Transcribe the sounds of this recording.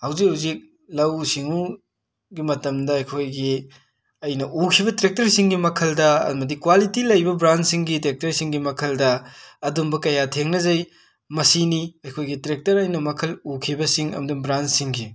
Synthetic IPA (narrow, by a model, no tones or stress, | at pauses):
hɐwzik̚ɦuwzik̚ | lɐwsiŋu | ɡimɐtɐmdɐɐjkʰojɡi | ɐjnɐʔukʰibɐtɾek̚tɐɾsiŋɡimɐkʰɐldɐɐ̰mɐdikwalitilɐjbɐbɾansiŋɡitek̚tɐɾsiŋɡimɐkʰɐldɐːdumbɐkɐjatʰeŋnɐzɐj | mɐsiniɐjkʰojɡitɾek̚tɐɾɐjnɐmɐkʰɐlukʰibɐsiŋɐ̰mɐdumbɾansiŋɡi